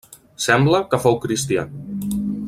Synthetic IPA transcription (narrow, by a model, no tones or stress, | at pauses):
sɛmbləkəfowkɾist̪ia̰n